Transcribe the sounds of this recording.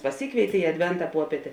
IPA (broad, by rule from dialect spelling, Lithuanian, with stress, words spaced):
pɐˈsʲiːkʋʲeːɪtʲeː ɪ ɐdʲˈʋʲɛntɐ ˈpuɔpʲiɛtʲeː